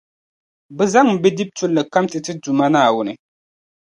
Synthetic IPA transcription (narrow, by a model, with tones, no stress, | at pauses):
bɛ˦za˦ŋm̩˨bɛ˦di˦b̚tʊ˦lːɨ˨ka˦mtɨ˨tɨ˦du˨ma˦naː˦˨wʊ˦nɨ˨